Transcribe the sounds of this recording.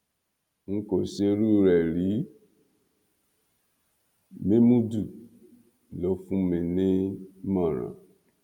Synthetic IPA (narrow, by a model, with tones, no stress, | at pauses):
ŋ̩˦ko˨ʃe˧ɾu˦˨ɾɛ˨ɾi˨˦ | mẽ˦mũ˦du˦˨ | lɔ˨˦fũ˦mẽ˨nẽ˦mã˦˨ɾã̰˨